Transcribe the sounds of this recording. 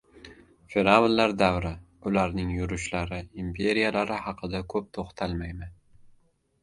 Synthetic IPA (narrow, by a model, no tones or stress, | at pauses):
feɾavollaɾd̪awɾɪ | ʊlaɾnɪŋjʊɾʊʃlaɾɪimpʰe̞ɾijalaɾɪhɑqʰɨd̪akʰɵp̚t̪ʰoχt̪ʰalˠmajman